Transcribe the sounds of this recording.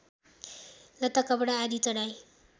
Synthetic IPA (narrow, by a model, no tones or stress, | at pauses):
lʌt̪akʌbɽaːd̪it͡sʌɽaj